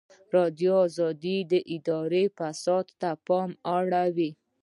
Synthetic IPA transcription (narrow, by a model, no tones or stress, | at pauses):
ɾɑd̪joːzɑd̪id̪əʔɪd̪ɑɾefasɑd̪t̪apɑmaɽawi